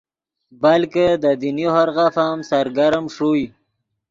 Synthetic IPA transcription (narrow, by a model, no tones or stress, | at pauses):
balked̪əd̪inihaɾɣafamsaɾɡaɾmʂuj